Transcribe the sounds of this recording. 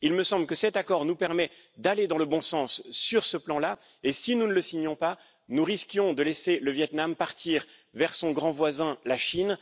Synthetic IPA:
ilməsɑ̃bləkəsɛt̪akɔʁnupɛʁmɛd̪aled̪ɑ̃ləbɔ̃sɑ̃sːyʁsəplɑ̃la | esinunələsiɲɔ̃pa | nuʁiskʲjɔ̃d̪əlɛseləvjɛt̪nampaʁt̪ʰiʁvɛʁsɔ̃ɡʁɑ̃vwazɛ̃laʃin

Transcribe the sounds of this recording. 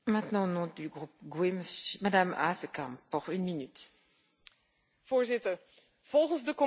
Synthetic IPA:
mɛ̃t̪nɑ̃onɔ̃d̪yɡʁup̚ɡweməsmad̪ama̰səkãmpuʁynminyt̪ | v̥oːɹzɪtəɹ | v̥ɔlˠχənzdəkɔ

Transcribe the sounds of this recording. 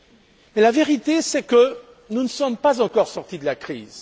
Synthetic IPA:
mɛlaveʁit̪esɛkə | nunəsɔmpazɑ̃kɔʁsɔʁt̪id̪əlakχḭːz

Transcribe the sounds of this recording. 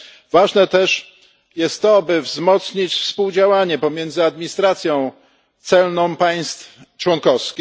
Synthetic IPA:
vaʐnɛt̪ɛʂ | jɛst̪ːɔabɘvzmɔt̪sɲit͡ɕfspuwd͡ʑawaɲɛpɔmʲjɛnd̪zɘad̪mʲiɲist̪ɾat̪sʲjɔ̃w̃ | t̪sɛlnɔ̃w̃paj̃st̪f | t͡ʂwɔnkɔfskʲi

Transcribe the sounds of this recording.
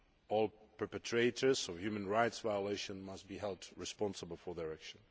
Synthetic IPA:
ɔlˠpʰə˞pɛtʰɹetə˞zɔvhjʉmə̃nɹaɪtsvaɪəleɪʃə̃nmʌst̚b̥iɦɛlˠdɹɪspɑ̃nsəbəl̩ˠfɔ˞ðəɹækʃə̃n

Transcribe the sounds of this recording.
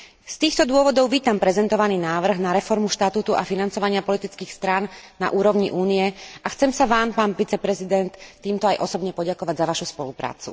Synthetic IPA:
st̪iːxt̪ɔd̪ʊɔʋɔd̪ɔʊʋiːt̪ampɾɛzɛnt̪ɔʋaniːnaːʋr̩ɣnaɾɛfɔɾmuʃt̪at̪uːt̪uʔafinant͡sɔʋaɲɪapɔlit̪it͡skiːxst̪ɾanːa̰ʔuːɾɔʊɲiʔuːnijɛʔaxt͡sɛmsaʋaːmpaːnʋit͡sɛpɾɛzid̪ɛnt̪ːiːmt̪ɔajʔɔsɔbɲɛpɔɟakɔʋaɟzaʋaʃuspɔlupɾa̰ːt͡sṵ

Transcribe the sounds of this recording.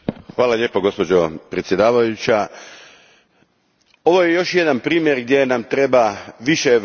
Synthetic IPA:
xʋaːlˠaʎe̞ːpoɡo̞spo̞d͡ʑo̞pɾe̞t̪sjed̪aːʋajut͡ɕa | o̞ʋoje̞jo̞ʃje̞d̪anpɾiːmje̞ɾɡd̪je̞namt̪ɾe̞baʋiʃe

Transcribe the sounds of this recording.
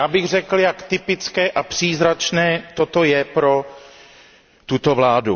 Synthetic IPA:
jaːbɪɣr̝ɛkl̩jakt̪ɪpɪt͡skɛːʔapr̝̥iːzɾat͡ʃnɛːt̪ot̪ojɛpɾo̞ | t̪ut̪ovlaːdṵ

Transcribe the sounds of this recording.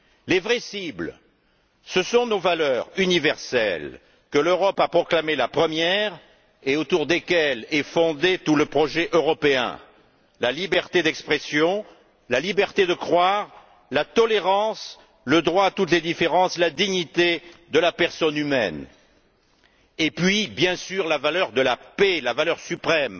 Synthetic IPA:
levʁɛsibl | səsɔ̃novalœʁynivɛʁsɛ̰l | kəløʁɔpapχɔklamelapχəmjɛʁ | eot̪uʁd̪ekʲɛlɛfɔ̃d̪et̪uləpχɔʒɛʔøʁɔpeɛ̰̃ | lalibɛʁt̪ed̪ɛkspχesjɔ̃ | lalibɛʁt̪ed̪əkχwaʁ | lat̪ɔleʁɑ̃s | ləd̪ʁwaːt̪ut̪led̪ifeʁɑ̃slad̪iɲit̪ed̪əlapɛʁsɔnymɛ̰n | epɥibjɛ̃syʁlavalœʁd̪əlapelavalœʁsypχɛm

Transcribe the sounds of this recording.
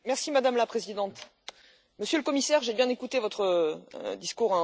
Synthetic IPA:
mɛʁsimad̪amlapχezid̪ɑ̃t̪ | məsjøləkɔmisɛʁʒebjɛ̃nekut̪evɔt̪χəd̪iskuʁɛ̃

